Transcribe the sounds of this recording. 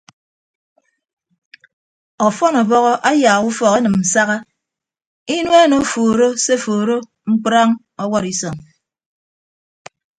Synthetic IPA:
ɔ˨fɔ˦nɔ˨bɔ˦ɣɔ˦ʔa˦jaː˨u˦fɔ˨ɣa˦nɨ˨m̩˨sa˦ɣa˦ | i˦nwe˦no˨˦foː˨ɾo˦se˦foː˨ɾo˦ | ŋ͡m̩˦k͡pɾa˦ŋ | ɔ˦wɔ˦ɾi˦sɔ˨ŋ

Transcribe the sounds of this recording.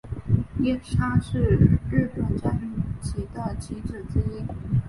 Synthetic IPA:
jɛ˥nʈ͡ʂʰa˥ʂɻ̩˥˧ɻɻ̩˥˩t̪wa˨˩nt͡ɕja˥ʈ͡ʂi˥˩ŋt͡ɕi˧˥d̪ə˧t͡ɕi˧˥ʈ͡ʂɻ̩˨˩t͡s̩˥i˥n

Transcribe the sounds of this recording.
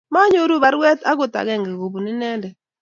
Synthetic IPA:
ma˦ɲo˦ɾu˦ba˨˦ɾwɛ˦ta˦ɡʊ˨ta̰˨ɡɛ˦˨ŋɡɛ˨ɡo˨bu˨nɪ˦nɛ˦ndɛ˨

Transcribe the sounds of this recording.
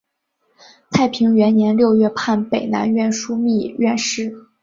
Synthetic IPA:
t͡s̪ʰa˥˩ɪpʰi˧˥ŋɥɛ˧˥nnjɛ˧˥nljo˥˧ʊɥɛ˥˧pʰa˥˩npe˨˩ɪna̰˧˥nɥɛ˥˩nʂu˥mi˥˩ɥɛ˥˧nʂɻ̩˥˩

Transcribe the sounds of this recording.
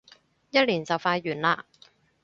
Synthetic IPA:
jɐ˥t̚liː˨˩nt͡sɐ˨˩wfaː˧jːyː˨˩nlaː˧

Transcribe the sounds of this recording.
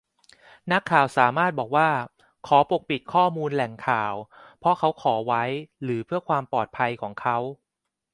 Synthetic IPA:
na˦˥kʰːaː˨˩wsaː˩˦maː˥˩t̪̚bɔː˨˩k̚waː˥˩ | kʰɔː˩˦po˨˩k̚pi˨˩t̪̚kʰɔː˥˩muː˧nlɛ˨˩ŋkʰaː˨˩wpʰɾɔ˦˥kʰa˦˥wkʰɔː˩˦wa˦˥jɾɯː˩˦pʰɯ˥˩əkʰwaː˧mpɔː˨˩t̪̚pʰa˧jkʰɔː˩˦ŋkʰa˦˥w

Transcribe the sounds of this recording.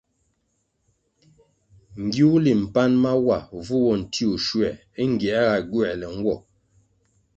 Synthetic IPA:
ŋ̩˨ɡju˦u˦li˨m̩˨pa˦nma˦wa˨vu˦wɔ˦˨n̩˨tʰi˦u˨ʃwɛ˨ | i˦ŋ̩˨ɡjɛ˨a˦ɣa˨ɡwɛ˦˨lɛ˨ŋ̩˦ɡwɔ̰˨

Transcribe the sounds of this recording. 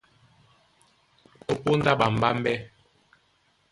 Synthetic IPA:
o˦po˦n˦da˦ɓa˨m̩˨ba˦m˦bɛ˦

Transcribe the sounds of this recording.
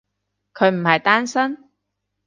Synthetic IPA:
kʰɵ˨˧ɥm̩˨˩hɐ˨jt̪aː˥nsɐ˥n

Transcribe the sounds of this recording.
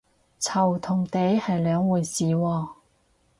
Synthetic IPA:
t͡sʰɐ˨˩wt̪ʰʊ˨˩ŋt̪e˨˥jhɐ˨jlœː˨˧˥ŋwuː˨˧jsiː˨wɔː˧

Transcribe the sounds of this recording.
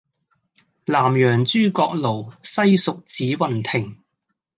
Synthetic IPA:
laː˨˩mjœː˨˩ŋt͡ʃyː˥kɔː˧k̚lo˨˩wsɐ˥jsʊ˨k̚t͡siː˨˥wɐ˨˩nt̪ʰɪ˨˩ŋ

